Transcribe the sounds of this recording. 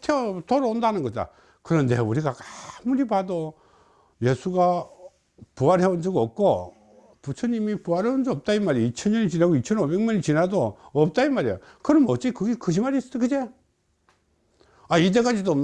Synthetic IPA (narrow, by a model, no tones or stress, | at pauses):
tʰeotoɾoondanɯnɡʌt͈a̰ | kɯɾʌnde̞uɾiɡakamuɾipado | je̞sʰuɡa | puaɾɦeond͡ʑɯɡʌp̚k͈o | put͡ɕʰʌɲimipuaɾɦeond͡ʑɯʌp̚t͈aimaɾiit͡ɕʰʌnɲʌnit͡ɕinaɡoit͡ɕʰʌnobe̞ŋɲʌnit͡ɕinadoʌp̚t͈aimaɾijo̰kɯɾʌnmʌt͡ɕ͈ikɯɡekɯd͡ʑimaɾis͈ʌdkɯd͡ʑe | ait̬e̞k͈ad͡ʑido